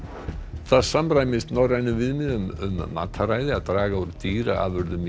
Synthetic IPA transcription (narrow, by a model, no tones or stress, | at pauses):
θaðsamɾaːjmɪst̪nɔrajnʏvɪðmɪðʏmʏ̰mːa̰ːt̪ʰːaɾaːjðɪaðt̪ɾaːɣauɾt̪iːɾa̰a̰ðvʏɾðʏm